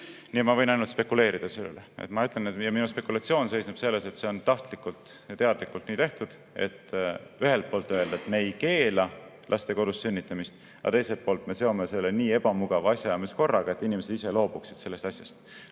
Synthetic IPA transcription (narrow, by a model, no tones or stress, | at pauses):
niemɑvɤ̞jnɑjnult̪spe̞kule̞ːɾid̪̥ɑselːḛleḛt̪mɑyt̪ːˑlenet̪jɑminuspe̞kːulɑt̪sio̞ːnse̞jsneb̥se̞lːe̞se̞t̪se̞ont̪ɑht̪likːult̪jɑt̪e̞ɑd̪likːˑult̪niːt̪e̞ht̪ud̪̥ | e̞̰t̪ːyɦe̞lt̪̚poːlt̪ːˑøe̞ld̪̥ɑet̪me̞jke̞ːlɑ | lʔɑst̪e̞ko̞d̪̥usːynʲːit̪ːˑɑmist̪ | ɑ̰t̪e̞jse̞l̚pːo̞ːlt̪ˑme̞se̞o̞mese̞lːeniːe̞b̥ɑmuɡ̥ɑvɑɑsʲjɑjɑmisko̞rːɑɡ̥ɑe̞t̪ːˑinʲimese̞d̪ise̞lo̞ːb̥uksid̪̥se̞lːest̪ɑsʲjɑst̪